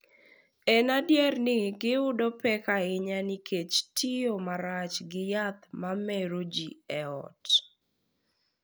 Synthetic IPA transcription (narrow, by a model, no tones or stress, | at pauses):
ɛnadjɛrnɪɡɪʊdɔpɛkaɪɲanɪkʰet͡ʃtʰiomaɾat͡ʃɡɪjat̪mamɛɾod͡ʒiɛɔ̰t